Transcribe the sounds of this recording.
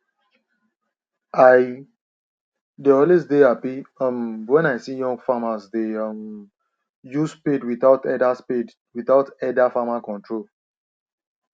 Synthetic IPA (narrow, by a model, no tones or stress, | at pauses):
aj | deɔlesdeapiʌmwɛ̃naɪsijɔ̃ŋɡfamazdeʌm | juspedwiθaʊtɛdaspid | wiθaʊtɛdafamakɔ̃ntɹol